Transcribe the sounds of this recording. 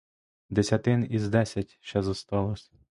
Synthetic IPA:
d̪esʲɐt̪ɪnizd̪ɛsʲɐtʲʃt͡ʃɛzɔst̪ɑlˠɔsʲ

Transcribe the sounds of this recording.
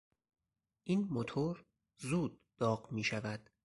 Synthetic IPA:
ʔiːnmot̪ʰoɾ | zuːd̪̥̚ːɒːɢmiːʃævæd̪̥

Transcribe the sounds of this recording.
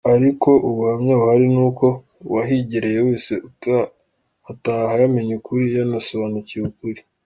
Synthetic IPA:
aɾiko̞ʔuβuhamɲaβuhaɾinuːko̞ | waɦiɟiɾe̞jewe̞ːseu | atahajameɲukuɾijanasoβaːnucijukuɾi

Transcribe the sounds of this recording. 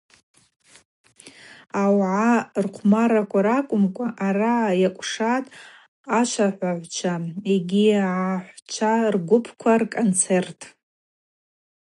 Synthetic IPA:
awʕarqʷʰmaɾakʷʰʼaɾakʷʼʊmkʷʼaʔarajakʷʼʂatʼ | aʃʷʰaħʷaʕʷt͡ʃʷʰaeɡʲiʕaħʷt͡ʃʷʰarɡʷʊpʰkʷʰarkʼont͡sʰe̞rtʼ

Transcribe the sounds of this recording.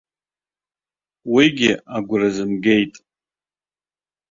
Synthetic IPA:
wiɡʲɪaɡʷʊrazɨmɡe̞jtʼ

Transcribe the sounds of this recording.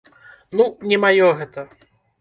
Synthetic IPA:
nunʲɛmajɔɣɛt̪ɐ

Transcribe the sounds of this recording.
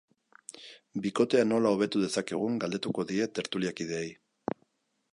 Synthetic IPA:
biko̞t̪e̞ano̞lao̞β̞e̞t̪uðe̞sake̞ɣ̞uŋɡald̪e̞t̪uko̞ðie̞t̪e̞ɾt̪uliakið̞eej

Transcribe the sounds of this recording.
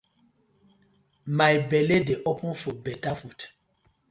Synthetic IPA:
majbɛledeʔɔpɔ̃nfobɛtafut

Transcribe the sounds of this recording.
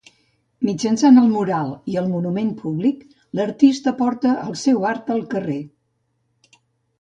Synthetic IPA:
mid͡ʒənsanəlˠmuɾalˠiəlˠmunumenpʰuβlik | ləɾt̪ist̪əpɔɾt̪əʔəlˠsɛwaɾt̪əlˠkəre

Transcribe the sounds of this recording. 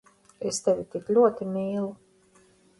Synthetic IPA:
est̪evʲit̪iklʲuɔt̪imiːlˠu

